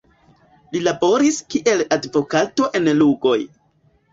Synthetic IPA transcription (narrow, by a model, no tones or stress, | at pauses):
lilabo̞ɾiskiʔe̞ladvo̞kato̞ʔe̞nluɡo̞j